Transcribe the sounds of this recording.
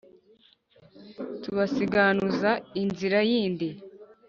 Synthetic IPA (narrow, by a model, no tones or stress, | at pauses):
tuβasiɡanuzainziɾajiːndi